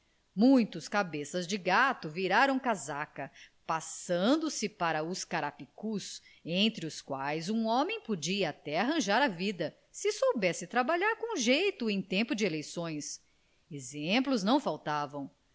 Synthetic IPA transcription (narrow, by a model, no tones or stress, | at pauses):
mũj̃t̪ʊskabesɐzd͡ʒɪɡat̪ʊviɾaɾɐ̃w̃kazakɐpasɐ̃nd̪ʊsɪpaɾɐʊskaɾapikus | ẽnt̪ɾɪʊskwajzũõmẽj̃pod͡ʒiɐat̪ɛaɦɐ̃ʒaɾɐvid̪ɐ | sɪsowbɛsɪt̪ɾabaʎaɾkõũʒejt̪ʊẽj̃t̪ẽmpʊd͡ʒɪelejsõj̃s | ezẽmplʊznɐ̃w̃fawt̪avɐ̃w̃